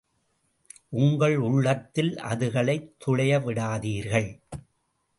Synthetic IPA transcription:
ʔʊŋɡɐɭʊɭːɐt̪ːɪlɐ̰ðɯɣɐɭɐɪt̪ʰːʊɭɐjɐʋɪɽaːðiːɾɣɐɭ

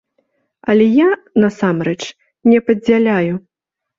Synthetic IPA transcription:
ɐlʲɛjanɐsamɾɛt͡ʂ | nʲɛpɐd͡zʲalʲaju

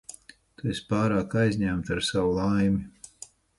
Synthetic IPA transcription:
t̪uespaːɾaːkajzʲɲæmt̪aɾsawulˠajmʲi

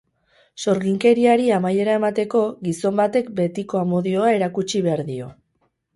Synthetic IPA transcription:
so̞ɾɣiŋke̞ɾiaɾiamaje̞ɾae̞mat̪e̞ko̞ɡiso̞mbat̪e̞k̚be̞t̪iko̞amo̞ðio̞ae̞ɾakut͡ʃiβe̞aɾðio̞

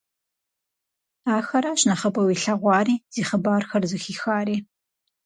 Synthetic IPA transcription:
aːxɐɾaɕnɐχɐpʼɐwiːɬɐʁʷɑːriːz̥iːχəbaːrxɐrzɨxiːxaːɾiː

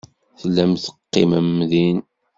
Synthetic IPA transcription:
θəlːæmθə̥qːiməmːðin

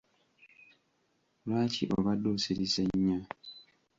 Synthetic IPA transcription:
lwaːciʔoβadoːsiɾiseɲːa

